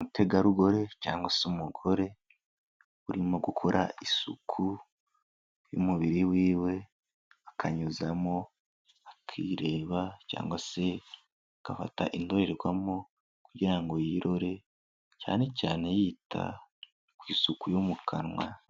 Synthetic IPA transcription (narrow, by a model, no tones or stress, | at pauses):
mutʰe̞ɡaɾuɡo̞ɾe̞caːŋɡwasumuɡo̞ɾe̞ | βuɾimoɡukʰo̞ɾʔa̰ʔisṵkʰu | jṵmuβiɾiwiːwe̞ | akʰaɲuzamo̞ | akʰḭɾe̞ːβaca̰ːŋɡwase̞ | akafa̰ta̰ʔindo̞ɾeɾeɡwamo | kuɟiɾaŋɡo̞jiɾo̞ɾe̞ | ca̰ːne̞caːne̞jiːtʰa̰ | kwiːsukujomukʰanwa̰